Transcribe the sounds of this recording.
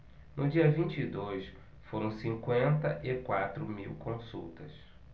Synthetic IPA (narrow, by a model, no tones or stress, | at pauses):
nʔʊd͡ʒiɐvĩnt͡ʃid̪ojs | foɾɐ̃w̃sĩkwẽnt̪ɐʔɪkwat̪ɾʊmiwkõsṵwt̪ɐs